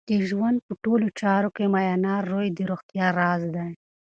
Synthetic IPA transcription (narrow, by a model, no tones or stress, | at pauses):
d̪̥əʒwand̪̚pəʈolot͡ʃɑɾokemajɑnɑːɾːojd̪əɾoxt̪jɑɾɑːzd̪aj